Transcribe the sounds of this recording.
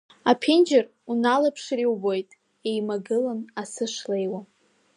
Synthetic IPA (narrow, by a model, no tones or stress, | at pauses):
apʰind͡ʒɪr | unalapʰʂriwbo̞jtʼ | ejmaɡɨlanasɨʂlejwa